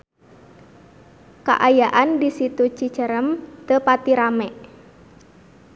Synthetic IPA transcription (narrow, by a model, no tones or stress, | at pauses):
ka̰ʔajaʔandisit̪ut͡ʃi̥t͡ʃəɾəmt̪əpat̪iɾamɛʔ